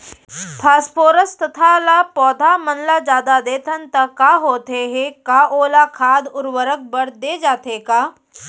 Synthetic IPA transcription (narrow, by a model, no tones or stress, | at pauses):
pʰaːspoːɾəst̪ɐt̪ʰalaːpɔːd̪ʱamɐnlad͡ʒaːd̪ad̪eːt̪ʰənt̪ɐkaːɦoːt̪eɦẽkaːʔoːlakʰaːd̪ʊɾwəɾək̚bɐɾd̪eːd͡ʒaːt̪ekaː